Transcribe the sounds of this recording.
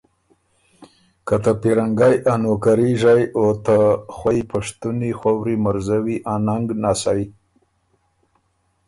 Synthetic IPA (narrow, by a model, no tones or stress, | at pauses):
kat̪apiɾaŋɡajʔanokaɾiʒajot̪axwaipaʂt̪unixawɾimaɾzawiʔanaŋɡnasaj